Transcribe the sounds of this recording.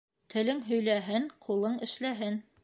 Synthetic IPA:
t̪ʰɘ̆lɘŋɦɵ̆jlæɦɘnqʰulˠɤɴɘ̆ʃlæɦɘn

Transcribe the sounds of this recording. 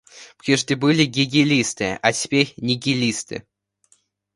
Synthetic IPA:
pɾʲiʐd̪ʲɪbɨlʲɪɡʲɪɡʲɪlʲist̪ɨatʲɪ̥pʲeɾʲnʲɪɡʲɪlʲist̪ɨ̰

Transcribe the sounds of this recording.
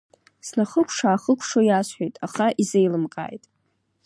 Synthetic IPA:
snaχəkʷʰʂaːχəkʷʰʂojasħʷejtʼaχaʔizejlɨmqʼa̰ːjtʼ

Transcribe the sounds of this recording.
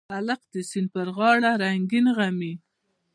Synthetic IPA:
alaq̚d̪əsinpəɾɣɑɽaɾaŋɡinɣami

